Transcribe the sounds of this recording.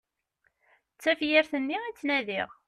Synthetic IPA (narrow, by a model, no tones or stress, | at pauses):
t͡sːæfjɪɾθənːiæt͡sːnæðḭʁ